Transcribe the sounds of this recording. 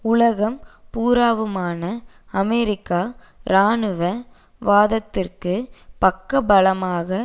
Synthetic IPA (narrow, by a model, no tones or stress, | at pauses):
ʊlɐɣɐmpuːɾaːʋɯmaːnɐ | ɐmɛɾɪkːaː | ɾaːnɯʋɐ | ʋaːðɐt̪ːɪrkɯpɐkːɐbɐlɐmaːɣɐ